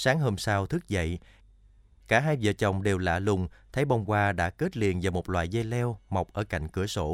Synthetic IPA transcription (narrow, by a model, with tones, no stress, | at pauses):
saː˨˦ŋɦo˧msaː˧wt̪ʰɨ˦˥k̚zə̰˧˨j | kaː˧˩ɦaː˧jvə̰ː˧˨t͡ɕə˨˩wŋ͡mɗe˨˩wla̰ː˧˨lʊ˨˩ŋ͡mt̪ʰə˨˦jɓɔ˧wŋ͡mkwaː˧ɗa̰ː˧˥ke˦˥t̚lḭ˧˨ənvaː˨˩mo˨˩t̚lwa̰ː˧˨jzɛ˧lɛ˧wma˨˩wk͡p̚ʔəː˧˩ka̰˧˨jŋ̟kɨ˧˩əso̰˧˩